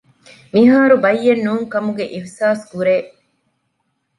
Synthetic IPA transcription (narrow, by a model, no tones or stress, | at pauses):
miɦaːɾubɐjːenːuːŋkɐmuɡeʔifsaːskuɾeː